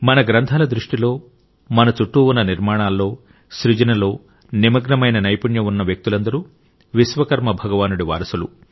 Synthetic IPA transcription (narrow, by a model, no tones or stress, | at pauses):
mɐnɐɡɾɐnt̪ʰaːlɐd̪ɾuʂʈilo̞ː | mɐnɐt͡ʃuʈːuunːɐniɾmaːɳaːlːo̞ː | ʃɾid͡ʒɐnɐlo̞ː | nimɐɡnɐmɐjnɐnɐjpuɳjɐunːɐʋjɐk̚t̪ulɐnd̪ɐɾu | ʋisʋɐkɐɾmɐbʱɐɡɐʋaːnuɽiʋa̰ːɾɐsulu